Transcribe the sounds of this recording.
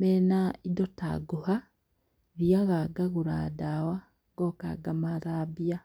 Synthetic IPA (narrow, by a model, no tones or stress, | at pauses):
menaidota̰ɡuha | ɾjaɣaɡaɣuɾa̰ːdawa | ŋɡoka̰ɡamaɾaːbija